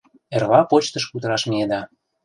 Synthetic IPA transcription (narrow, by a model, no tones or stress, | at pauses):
ervɑpot͡ɕt̪ə̆ʃkut̪əɾɑʃmied̪ɑ